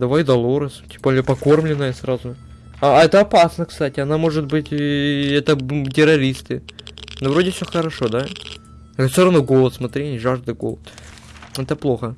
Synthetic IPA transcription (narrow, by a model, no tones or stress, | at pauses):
d̪ɐvajd̪ɐlˠoɾɨstʲbolʲəpɐko̞rmlʲɪnːəjəsɾazʊ | aɛt̪əɐpasnəkst̪atʲɪɐnamo̞ʐɨt̪̚bɨtʲɛt̪ətʲɪɾɐɾʲist̪ɨnovɾodʲɪfsʲoxəɾɐʂo̞d̪a | sʲoɾɐvnuɡo̞lˠət̪smɐt̪ɾʲinʲɪʐaʐd̪ɨɡolˠət̪ | ɛt̪əplˠo̞xə